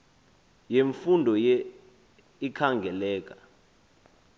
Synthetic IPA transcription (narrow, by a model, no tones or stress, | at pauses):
jeɱfundʱɔjɛ | ikʰaŋɡʱɛlɛːk̬ʼḁ